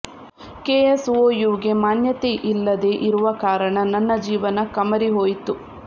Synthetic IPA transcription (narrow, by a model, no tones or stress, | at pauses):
keːɐsʋoːjuːɡe̞maːnjɐt̪eʔilːɐd̪eʔiɾuʋɐkaːɾɐɳɐnːɐnːɐd͡ʒiːʋɐnɐkɐmɐɾiɦoːjit̪u